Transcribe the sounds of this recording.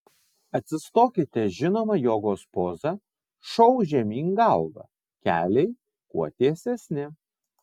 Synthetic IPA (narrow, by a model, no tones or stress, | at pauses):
ɐt̪ʲsʲɪst̪oːkʲɪt̪ʲɛʒʲɪnoːmɐjoːɡoːspoːzɐ | ʃɔʊʒʲɛmʲiːŋɡɐlˠɡɐ̰ | kʲæːlʲɛɪ | kṵɔt̪ʲiɛsʲɛsʲnʲɪ